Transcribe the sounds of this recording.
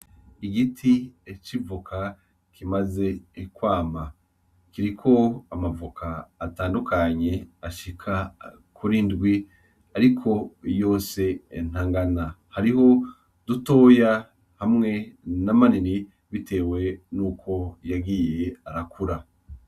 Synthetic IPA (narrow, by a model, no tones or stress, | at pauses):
iɡitʰiet͡ʃivukʰa | kʰimaze̞ːkwaːma | kiɾikʰo̞amavukʰaːtaːndukʰaɲe̞aʃikʰa | kʰuɾiːndɡwi | aɾikʰo̞jo̞ːse̞ːn̥haŋɡana | haɾiɦo̞ | d̥uto̞ːja | hamŋe̞namanini | βite̞ːwe̞nukʰo̞jaɡiːje̞aɾakuɾa